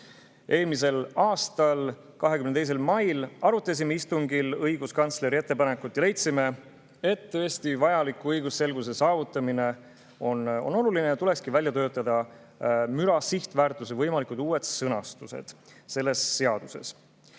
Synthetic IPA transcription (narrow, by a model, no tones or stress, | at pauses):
ʔe̞ːlmis̬e̞lɑːst̪ɑl | kɑɦe̞kymnt̪ejs̬e̞lmɑjlɑɾut̪ːˑes̬ʲimeist̪uŋɡilɤjɡuskɑnt̪sle̞ɾie̞t̪ːe̞pɑne̞kut̪ːjɑle̞jt̪sime̞ | e̞t̪ːø̞esʲt̪ivɑjɑlikːˑuɤjɡusse̞lɡuse̞sɑːvut̪ːˑɑmine̞ | o̞no̞̰no̞lulinet̪ule̞kskivælʲjɑt̪ø̞ːt̪ːˑɑd̪̥ɑ | myɾɑsiht̪væːrt̪ːˑus̬evɤjmɑlikud̪uːwe̞d̪sɤnɑst̪use̞̰d̪̥se̞lːe̞sːe̞ɑd̪̥use̞̰s